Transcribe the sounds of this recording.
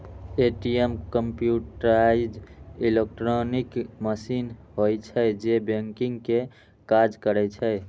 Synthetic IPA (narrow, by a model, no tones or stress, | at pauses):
eʈiemkəmpjuʈɾaid͡ʒilek̚ʈɾonikməsinɦojt͡ʃʰəd͡ʒebeŋkiŋɡke | kad͡ʒkəɾɛt͡ʃʰəe